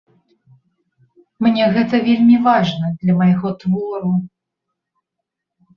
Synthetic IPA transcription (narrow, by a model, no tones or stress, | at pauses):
mnʲɛɣɛt̪ɐvʲelʲmʲivaʐnɐd̪lʲɐmɐjɣɔt̪vɔɾu